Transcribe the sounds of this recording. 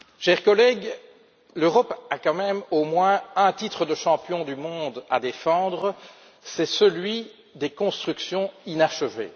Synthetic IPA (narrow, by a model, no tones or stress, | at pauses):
ʃɛʁkɔlɛɡ | løʁɔpakɑ̃mɛmomwɛ̃ɛ̃t̪it̪χəd̪əʃɑ̃pjɔ̃d̪ymɔ̃d̪a̰d̪efɑ̃ːd̪ʁə | sɛsəlɥi | d̪ekɔ̃st̪χyksjɔ̃inaʃəvḛ